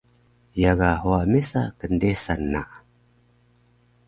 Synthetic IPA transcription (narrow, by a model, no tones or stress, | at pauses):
jaɡaɦuamesa̰kəndesanːa̰ʔ